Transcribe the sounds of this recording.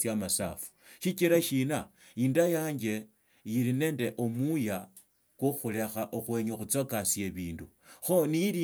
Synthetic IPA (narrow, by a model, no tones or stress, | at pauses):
sjamasa̰fu̥ʃit͡ʃiɾaʃina | indajaːɲd͡ʒe̞ | jiɾine̞ːnde̞ʔomuja | kuxule̞xaʔoxweɲoxut͡sokasje̞βiːndu | xonijili